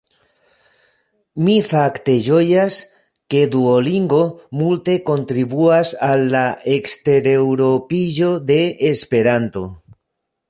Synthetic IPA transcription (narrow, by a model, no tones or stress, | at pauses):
mifakt̪eʒojas | ked̪uoliŋɡomult̪ekont̪ɾiβuasalːaʔekst̪eɾewɾopiʒoðeːspeɾant̪o